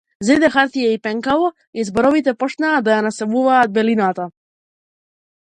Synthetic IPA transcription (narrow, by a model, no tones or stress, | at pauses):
zid̪ɛxaɾt̪ijaipɛŋkalˠɔ | izbɔɾɔvit̪ɛpɔt͡ʃnaːd̪ajanasɛmuvaːd̪̚bɛlinat̪a